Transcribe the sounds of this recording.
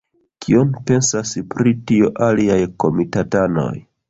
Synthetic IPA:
kʰio̞npe̞nsaspɾitioʔaliajko̞mitatano̞̰j

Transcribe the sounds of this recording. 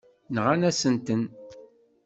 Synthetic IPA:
nəʁanæsənt̪ən

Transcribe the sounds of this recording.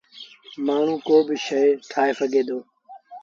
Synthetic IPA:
maːɳ̤ũːkoːbɪʃəjʈʰaːeːfəɡʱeːd̪oː

